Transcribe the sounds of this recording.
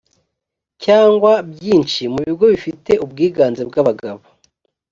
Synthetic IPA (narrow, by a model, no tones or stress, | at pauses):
caːŋɡwabjiːnʃimuβiɡo̞βifite̞ʔubɡiːɡaːnzebɡaβaɡaβo